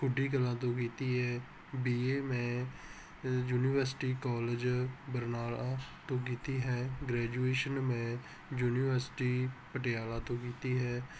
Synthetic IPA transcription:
kʰʊɖiːkəlãːt̪õːkiːt̪iːɦɛː | biːeːmɛ̃ː | juːniːʋəɾsʈiːkɔːlɪd͡ʒbəɾnaːlat̪õːk̬iːt̪iːɦɛːɡɾɛːd͡ʒueːʃənmeɛ̃ː | juːniːʋəɾsʈiːpəʈɪjaːlãːt̪õːkiːt̪iːɦɛː

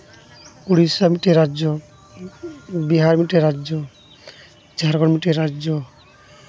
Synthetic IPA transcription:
puɽisamiʈeɾad͡ʒɔ | biɦaɾmiʈeɾad͡ʒɔ | d͡ʒʱaɾɡɔɾmiʈeɾad͡ʒɔ

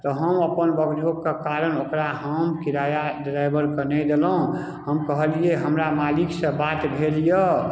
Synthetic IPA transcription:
t̪ɔɦəməpənbəɡd̪ʱokkːekaɾənokɾaɦəmkiɾajadɾajbəɾkənɛd̪elɦũ | həmkəɦəlieɦəmɾamaliksə̃bat̪bʱelijə

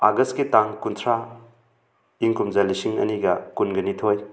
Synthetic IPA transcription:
aɡɐskitaŋkunt̪ʰɾa | iŋkumzalisiŋɐ̰niɡɐkunɡɐnitʰoj

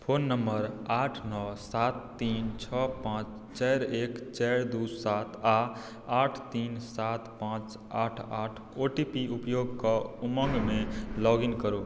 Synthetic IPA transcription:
pʰoːnːəmbəɾaʈʰnɔsat̪ːiːnt͡ʃʰɔpãt͡ʃ | t͡ʃɛɾeːkt͡ʃɛɾd̪usat̪ʰa | aʈʰt̪insat̪pãt͡ʃ | aʈʰaʈʰoʈipiupjoɡkʌumə̃ŋɡmẽlɔɡinkəɾo

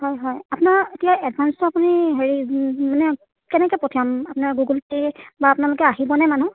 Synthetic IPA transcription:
hɔjɦɔjapʊnaɹetijaʔɛdbʱanstɔapuniɦeɹimanɛ | kɛnɛkɛpotʰiamapʊnaɹɡuɡultibaːpʊnalʊkɛaɦibɔnɛmanũ

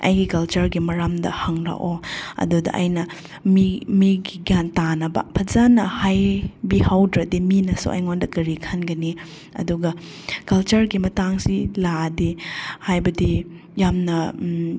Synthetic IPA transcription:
ɐ̰jɡikɐlt͡ʃɐɾɡimɐɾamdɐhɐŋɾa̰ʔoɐ̰dudɐ̰ʔɐ̰jnɐ | mimiɡiɡjantanɐbɐ̰pʰɐzanɐhajbihawdɾɐdiminɐsṵʔɐ̰jŋondɐkɐɾikʰanɡɐni | ɐ̰duɡɐ | kɐlt͡ʃɐɾɡimɐtaŋsiladihajbɐdi | jamnɐ

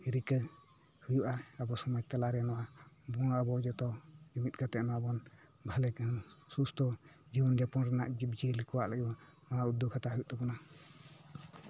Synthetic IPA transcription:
iɾikə | hujuʔaəbɔsɔmajt̪alaɾɛnɔwabɔɽ̃abɔd͡ʒɔt̪ɔd͡ʒimit̪̚ˀɡat̪ɛʔnɔabɔn | bʱalɛkansust̪ɔ | d͡ʒibɔnd͡ʒapɔnɾɛna̰ʔd͡ʒibd͡ʒilikɔwaʔlaɡbɔ | aaud̪ukʰat̪aɦujuʔt̪ɔbɔna

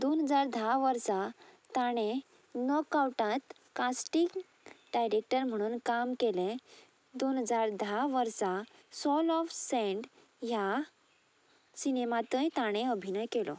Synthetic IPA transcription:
d̪onɦəd͡zaɾd̪ʱaʋəɾsat̪aɽ̃ẽ | nəkawʈãt̪ | kãsʈik | ɖajɾek̚ʈəɾm̤əɽ̃uːnkamkelẽ | d̪onɦəd͡zaɾd̪ʱaʋəɾsasɔlɔfsɛ̃ɳɖ | ja | sinemat̪ə̃jt̪aɽ̃ẽəbʱinəjkelɔ̰

